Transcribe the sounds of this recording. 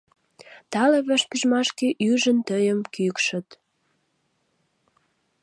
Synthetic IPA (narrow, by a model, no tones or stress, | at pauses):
t̪ɑleβəʃkyʒmɑʃkeʔyʒənt̪əjəmkykʃə̆t̪